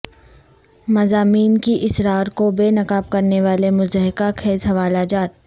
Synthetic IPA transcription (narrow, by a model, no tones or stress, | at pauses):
mɐzaːmiːnkiʔɪsɾaːɾkobeːnɐkaːb̚kɐɾneʋaːlemʊzəɦɪkakʰeːzɦɐʋaːlad͡ʒaːt̪̚